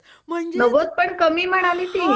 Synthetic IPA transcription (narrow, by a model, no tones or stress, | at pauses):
mnəʋot̪̚pəɳkəmiːm̤əɽ̃aliːt̪i